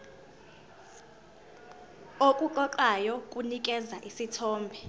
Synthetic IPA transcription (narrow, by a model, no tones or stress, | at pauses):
okʼuǃɔǃajɔkʼunikʼɛzaʔisitʰɔːmbʱɛ